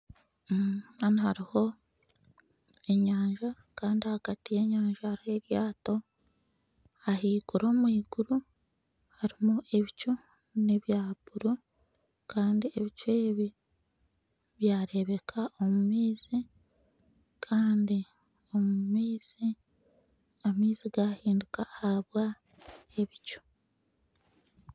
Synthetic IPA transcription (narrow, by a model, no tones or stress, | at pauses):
anihaɾiho̞ | e̞ɲaːɲʒa | kaːndihaɡ̥atije̞ɲaːɲʒahaɾihe̞ɾjaːto̞ | ahiːɡuɾo̞ːmwiːɡ̥uɾu | haɾimuʔe̞βit͡ʃo | niβjaːb̥uɾu | kaːndie̞βit͡ʃwe̞ːβi | βjaːɾe̞βe̞kʰao̞mumiːzi | kʰaːndi | o̞mumiːz̥i | amiːziɡahiːndukahaβwa | e̞βit͡ʃo̥